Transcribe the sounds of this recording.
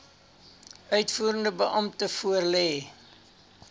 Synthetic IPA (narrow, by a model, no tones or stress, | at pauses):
œɥtfuːɾəndəbəʔɐmtəfuərlɛː